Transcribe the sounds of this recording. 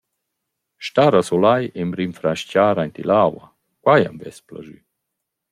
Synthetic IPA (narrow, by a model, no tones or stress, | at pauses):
ʃtaɾasolajemɾimfɾaʃcaːɾajnt̪ḭlawa | kwaja̰mvɛspla̰ʒy̰